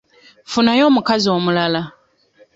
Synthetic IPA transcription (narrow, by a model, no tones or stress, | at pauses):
funajo̞ːmukazio̞ːmulala